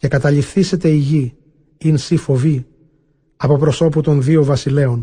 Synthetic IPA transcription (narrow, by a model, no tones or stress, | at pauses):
ce̞kɐt̪ɐʎifθise̞t̪e̞iʝi | insifo̞vi | ɐpo̞pɾo̞so̞put̪o̞nðiovɐsile̞o̞n